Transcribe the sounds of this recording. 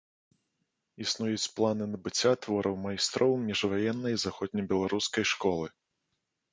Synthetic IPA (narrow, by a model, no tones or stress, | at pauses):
isnujut͡sʲplˠanɨnɐbɨt͡sʲːat̪vɔɾʔɐwmajst̪ɾɔwmmʲiʐvajɛnːɐjzaxɔd̪̚ʲnʲɐbʲɛlˠaɾuskɐjʂkɔlˠɨ